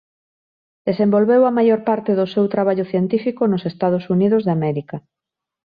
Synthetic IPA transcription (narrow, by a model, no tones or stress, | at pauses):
d̪̥esẽmbolβewɐmajoɾpaɾt̪eðʊsewt̪ɾaβ̞aʎʊθjent̪ifikonosest̪að̞ʊsuniðozðamɛɾikɐ